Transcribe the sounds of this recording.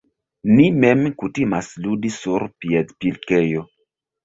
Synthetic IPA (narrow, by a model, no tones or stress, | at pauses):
nimemkutimasludisuɾpiedpilkejo